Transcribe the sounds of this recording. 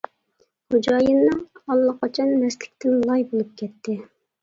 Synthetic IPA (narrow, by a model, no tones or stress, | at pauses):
χod͡ʒɑjɨnːɨŋɑlˠːəqʰɑt͡ʃʰɑnːɛslɪ̥kʲt̪ʰɪnlˠɑjbolˠup̚kʲʰɛt̪ʰːɪ